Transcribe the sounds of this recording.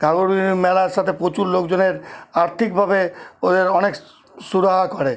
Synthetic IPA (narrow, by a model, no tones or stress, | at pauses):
ɡʱaɡoɾimɛlaɾʃat̪ʰepɾot͡ɕullokd͡ʑoneɾaɾt̪ʰik̚bʱabeod̪eɾɔnek | suɾaɦakɔɾe